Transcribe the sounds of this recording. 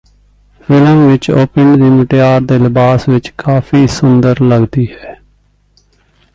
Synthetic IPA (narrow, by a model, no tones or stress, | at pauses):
fɪləmʋɪt͡ʃoːpɪɳɖd̪iːməʈejaːɾd̪eːləbaːsʋɪt͡ʃkaːfʰiːsʊnd̪əɾləɡd̪iːɦɛː